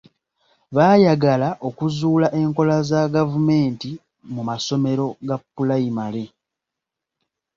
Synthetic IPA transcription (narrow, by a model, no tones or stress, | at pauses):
βaːjaɡalaʔo̞kuzuːlaʔe̞ŋko̞lazaɡavume̞ːnti | mumaso̞me̞ɾo̞ɡapːulaimale̞